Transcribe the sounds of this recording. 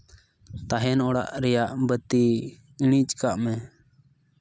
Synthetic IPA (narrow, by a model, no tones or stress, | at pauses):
t̪aɦɛnɔɽa̰ʔɾɛjaʔbət̪i | iɽ̃it͡ʃkaʔmɛ